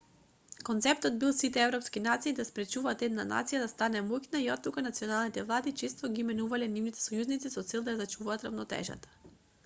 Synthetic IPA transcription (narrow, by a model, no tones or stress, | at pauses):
kont̪sɛpt̪ɔd̪bilˠsit̪ɛɛvɾɔpskinat̪siːd̪aspɾɛt͡ʃuvaːt̪ɛd̪nana̰t̪sijad̪ast̪anɛmuknaiɔt̪ːukanat̪sioɔnalˠnit̪ɛvlˠad̪it͡ʃist̪ɔɡimɛnuvalɛnivnit̪ɛ̥sɔjuznit̪sisɔt̪sɛlˠd̪ajazat͡ʃuvaːt̪ɾavnɔt̪ɛ̰ʒa̰t̪ḁ